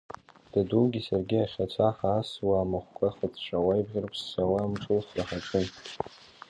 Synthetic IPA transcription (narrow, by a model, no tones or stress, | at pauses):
d̥aduɡʲisarɡʲɪaχʲat͡ɕʷʰaħaːswaːmaχʷkʷʼaχət͡sʰʃʷʼawajbʁʲɪrpʰsːawamt͡sʷʼulχraħaʈ͡ʂʷʼɨnʼ